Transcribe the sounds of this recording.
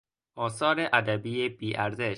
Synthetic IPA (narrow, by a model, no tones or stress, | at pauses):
ʔɒːsɒːɾeʔæd̪æbiːjeb̥iːʔæɾzeʃ